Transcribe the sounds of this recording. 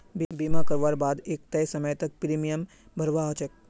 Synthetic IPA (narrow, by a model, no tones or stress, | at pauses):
bbimakəɾʋaɾbad̪eːk̚t̪ɐjsəməjt̪ək̚pɾimijəm | bʱəɾʋaɦot͡ʃək̚